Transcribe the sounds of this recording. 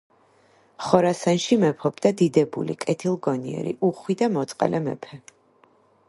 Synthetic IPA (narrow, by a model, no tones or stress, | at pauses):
χɔɾasanʃimɛpʰɔbd̪ad̪id̪ɛbṵlḭkʼɛt̪ʰilˠɡɔniɛ̰ɾḭʔuχwid̪amɔt̪sʼqʼɛ̰lʔɛmɛ̰pʰɛ